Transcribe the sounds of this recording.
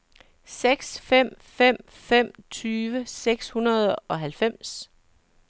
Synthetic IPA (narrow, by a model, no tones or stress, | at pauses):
seɡ̥sfem̰ | fem̰ | fem̰t͡sʰyːʋəseɡ̥shunɐð̞ˠɒ̽ɦælfem̰s